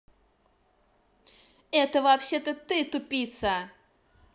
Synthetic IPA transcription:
ɛt̪ɐvapɕɛt̪ɐt̪ɨt̪upʲit̪sɐ

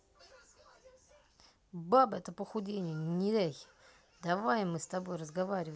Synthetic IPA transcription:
babəɛt̪əpəxʊdʲenʲɪjənʲɪɾʲejʲ | d̪ɐvajɪmːɨst̪ɐbo̞jrəzɡɐvaɾʲɪvə

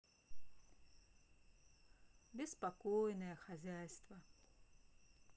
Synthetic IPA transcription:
bʲɛspakɔjnɐjɐxazʲajst̪vɐ

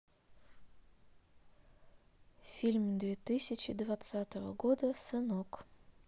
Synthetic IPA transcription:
fʲilʲmʲd̪vʲet̪ɨsʲɪt͡ɕɪd̪vat̪sat̪əvə̰ɡod̪əsɨnok

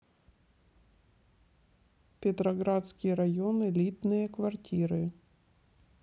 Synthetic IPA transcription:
pʲɪt̪ɾɐɡɾat̪skʲɪjəɾɐjonɨlʲit̪nɨjəkvɐrtʲiɾɨ

